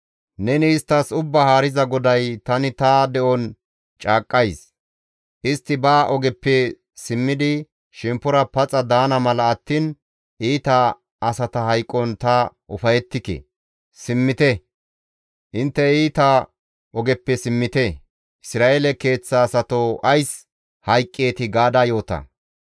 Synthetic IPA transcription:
nɛnɪːst̪ːɐsʊbːɐhaːɾɪzɐɡɔd̪ɐjt̪ɐnɪt̪ɐd̪ɛʔɔn | t͡ʃʼaːkʼːɐjs | ʔɪst̪ːɪbaːʔɔɡɛpːɛ | sɪmːɪd̪ɪ | ʃɛmpːʊɾɐpɐt͡sʼɐd̪aːnɐmɐlɐɐt̪ːiːn | ʔiːt̪ɐ | ʔɐsɐt̪ɐhɐjkʼːɔnt̪ɐ | ʔʊfɐjɛt̪ːɪkɛ̰ | sɪmːɪt̪ɛ | ʔɪnt̪ːɛiːt̪a | ʔɔɡɛpːɛsɪmːɪt̪ɛ | ʔɪsɾaːʔeːlɛke̞ːt͡sːaːsɐt̪oʔɐjs | hɐjkʼːe̞ːt̪ɪɡaːd̪aːjo̞ːt̪ɐ̰

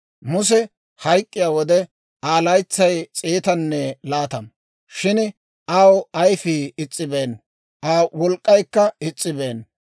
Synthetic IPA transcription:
mʊs̬ɛ | hɐjkʼːɪjaːwɔd̪ɛ | aːlɐjt͡sːɐjt͡sʼiːt̪ɐnːɛlaːt̪ɐm | ʃɪn | ʔawɐjfiːɪt͡sʼːɪbeːn | ʔaːwɔlkʼːɐjkːɐɪt͡sʼːɪbeːn

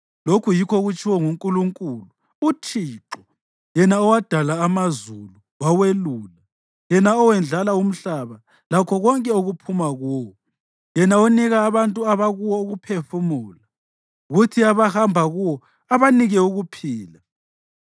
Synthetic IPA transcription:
lokʰujikʰɔɣut͡ʃʰʼiwɔŋuŋkʼuluŋkʼuluː | t͡ʃʰiːǁɔ | jɛnaɔwad̥ʱalaːmazulu | waweluːla | jɛnaɔwɛnd͡ɮʱalaum̩ɬaβa | lakʰɔɣɔŋkʼɛuɣupʰumaɣuwɔ | jɛnauniɣaːβantʼuaβaɣuwɔoɣupʰefumuːla | ɣutʰiaβahambʱaɣuwɔ | aβaniɣɛuɣupʰiːla

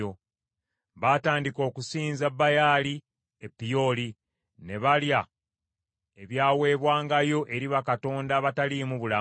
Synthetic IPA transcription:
o | βataːndiko̞ːkusiːnzabːajaːli | epːijo̞ːli | ne̞βalja | eβjaːwe̞ːβwaːŋɡajo̞ʔe̞ɾiβakato̞ːndaβatalimuβula

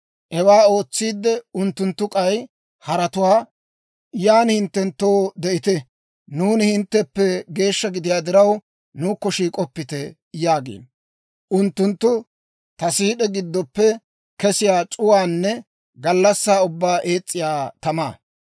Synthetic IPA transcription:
ʔɛwaːo̞ːt͡sːiːd̪ːɛʊnt̪ːʊnt̪ːʊkʼɐj | hɐɾɐt̪ʊwaː | jaːnhɪnt̪ːɛnt̪ːoːd̪ɛʔɪt̪ɛ | nuːnɪhɪnt̪ːɛpːɛɡe̞ːʃːɐɡɪd̪ɪjaːd̪ɪɾɐw | nuːkːɔʃiːkʼɔpːɪt̪ɛ | jaːɡḛːn | ʔʊnt̪ːʊnt̪ːʊ | t̪ɐsiːɗɛɡɪd̪ːɔpːɛ | kɛsɪjaːt͡ʃʼʊwaːnːɛ | ɡɐlːɐsːaːʊbːaːʔeːt͡sʼːɪjaːt̪ɐma̰ː

